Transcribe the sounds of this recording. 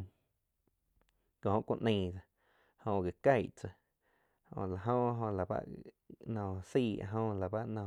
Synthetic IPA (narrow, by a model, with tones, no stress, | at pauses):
kõ˨hõ˧ʔkʷõ˧ʔnə̃˧˨d͡za˧ | hõ˧˨ɡe˨ka˧jʔt͡sə˧˨ | õ̰˧˨la˨ɦõ˦ɦõ˧la˨ba̰˦ʔ | nɔ̃˧˨siː˦˧˨a̰˧˨ɦõ˧la˨ba˦ʔnɔ̃˧˨